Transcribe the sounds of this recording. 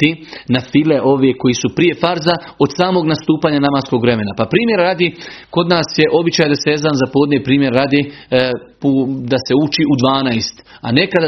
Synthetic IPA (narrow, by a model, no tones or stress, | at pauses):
t̪inafileʔo̞ʋeko̞jisupɾije̞faɾza | o̞d̪saːmo̞ɡnast̪uːpaːɲanamasko̞ɡʋɾe̞me̞napapɾiːmje̞ɾːaːd̪eko̞d̪naːsje̞ʔo̞bit͡ʃaːjed̪asejezd̪anzapo̞ːd̪nʲepɾiːmje̞ɾːad̪e | pud̪ase̞ut͡ʃiʔud̪ʋaːnajst̪a̰ne̞kad̪a